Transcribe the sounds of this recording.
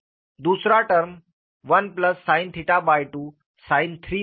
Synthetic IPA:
d̪usɾaʈəɾm | ʋənpləsːãint̪ʰiʈabajʈuː | sajnt̪ʰɾiː

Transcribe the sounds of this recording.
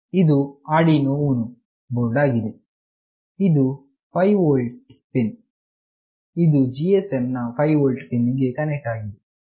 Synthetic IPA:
id̪uaːɖinoʋunu | boɾɖaːɡid̪e | id̪u | pʰɐjʋoːlɖpin | id̪ud͡ʒiesemnɐpʰɐjʋoːlʈpiniɡe̞kɐnek̚ʈaːɡid̪e

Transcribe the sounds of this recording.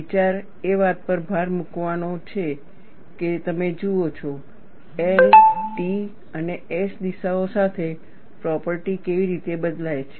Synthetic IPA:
it͡ʃaɾ | eʋat̪̚pəɾbʱaɾmukʋanot͡ʃʰe | ket̪əmed͡ʒuot͡ʃʰɔ | elʈi | əneesd̪iʃaosat̪ʰe | pɾɔpəɾʈikeʋiɾit̪ebəd̪lajt͡ʃʰe

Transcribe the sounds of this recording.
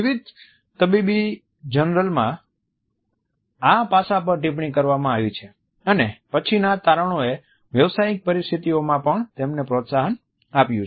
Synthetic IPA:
ɪʋid̪ | t̪əbibi | d͡ʒənɾəlmã | apasapəɾʈĩp̬ɳikəɾʋamãaʋit͡ʃʰe | ənepət͡ʃʰinat̪aɾəɳoe | ʋjəʋsajik̚pəɾist̪ʰit̪iomãpəɳt̪emnepɾot̪saɦən | apjũ

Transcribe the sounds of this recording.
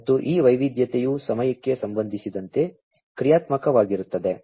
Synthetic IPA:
t̪ːuʔiːʋɐjʋid̪jɐt̪ejusɐmɐjɐkːe̞sɐmbɐnd̪ʱisid̪ɐnt̪e̞ | kɾijaːt̪mɐkɐʋaːɡiɾut̪ːɐd̪e

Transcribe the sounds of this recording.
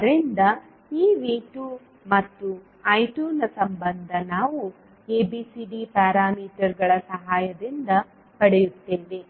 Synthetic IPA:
ɐɾind̪ɐ | iːʋiːʈuː | mɐt̪ːu | ɐjʈuːnɐsɐmbɐnd̪ʱɐnaːʋu | eːbiːsiɖipaːɾaːmiːʈɐɾɡɐɭɐsɐɦaːjɐd̪ind̪ɐ | pɐɽɛjut̪ːe̞ːʋe

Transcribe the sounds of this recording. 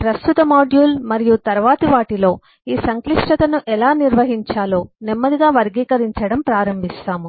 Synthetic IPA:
pɾɐst̪ut̪ɐmaːɖjuːlmɐɾijut̪ɐɾʋaːt̪iʋaːʈilo̞ː | iːsɐŋkliʂʈɐt̪ɐnuʔɛlaːniɾʋɐɦiɲt͡ʃaːloːnimːɐd̪iɡaːʋɐɾɡiːkɐɾiɲt͡ʃɐɽɐmpɾaːɾɐmbʱist̪aːmu

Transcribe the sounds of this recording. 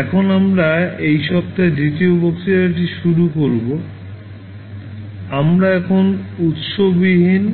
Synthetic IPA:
ɛkʰonamɾaejʃɔb̚t̪ad̪it̪iobɔkt̪iɾaʈ̬iʃuɾukoɾbo | amɾaɛkʰonut̪ʃobiɦin

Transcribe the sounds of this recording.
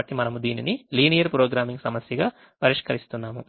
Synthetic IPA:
ɐʈːimɐnɐmud̪iːniniliːnijɐɾpɾoːɡɾaːmiŋɡsɐmɐsjɐɡaː | pɐɾiʂkɐɾist̪unːaːmu

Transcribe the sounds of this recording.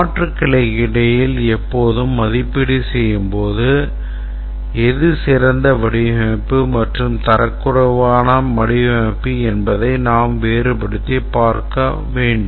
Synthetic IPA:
aːʈrɯkːɪɭɐɪkɪɽɐjɪlɛpːoːðɯmːɐðɪpːɪɽisɛjːɯmpoːðɯ | ɛðɯsɪɾɐnd̪ɐʋɐɽɪɦeːpːɯmɐʈrɯmt̪ɐɾɐkːɯɾɐʋaːnɐmɐɽɪʋeːpːiɛnbɐðɐɪnaːmʋeːɾɯpɐɽɯt̪ːipaːɾkɐ | ʋeːɳɖɯm

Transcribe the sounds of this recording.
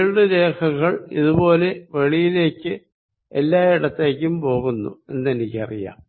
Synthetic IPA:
lɨɾe̞ːkʰɐɣɐɭiðubo̞ːle̞ʋe̞ɭijile̞ːkʲːɨ | elːaːiɽɐt̪ːe̞ːkʲːumpo̞ːɣunːṵe̞nːe̞nikʲːɐ̰rḭja̰ːm

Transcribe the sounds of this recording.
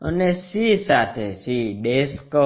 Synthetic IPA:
ə̰nesisat̪ʰesiɖesko

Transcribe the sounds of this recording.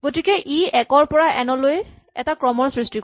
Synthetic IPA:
ɡotikɛʔiʔɛkɔɹpɔɹaʔɛnɔloj | ɛ̰takɹɔmɔɹsɹistik

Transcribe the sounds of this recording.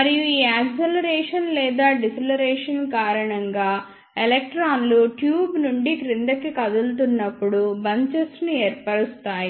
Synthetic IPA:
mɐɾijuiːaːksɐlɐɾɛːʂɐnlɛːd̪aːɖisɐlɐɾɛːʂɐnkaːɾɐɳɐŋɡaː | elek̚ʈɾaːnluʈjuːbnuɳɖikɾind̪ɐkːikɐd̪ult̪̬unːɐpːuɽubɐɲt͡ʃɐsnueːɾpɐɽust̪aːji

